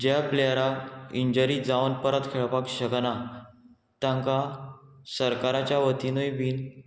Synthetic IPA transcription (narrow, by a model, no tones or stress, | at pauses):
d͡ʑjaplejɾakiɲd͡ʑəɾid͡zaʋənpəɾət̪kʰeɭpakɕəɡna | t̪jãŋka | səɾkaɾat͡ɕjaʋət̪inujbiːn